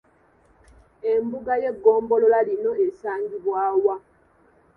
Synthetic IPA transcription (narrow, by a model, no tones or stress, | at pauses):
e̞mbuɡaje̞ɡːoːmbo̞lo̞lalino̞esaːɲɟiβwaːwa